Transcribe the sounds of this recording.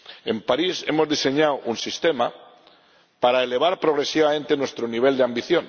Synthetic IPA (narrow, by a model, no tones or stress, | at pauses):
e̞mpaɾise̞̰mo̞zðise̞ɲawʔunsist̪ema | paɾaele̞β̞aɾpɾoɣɾe̞siβamẽnt̪e̞nwe̞st̪ɾoniβ̞e̞ld̪eambiθjo̞n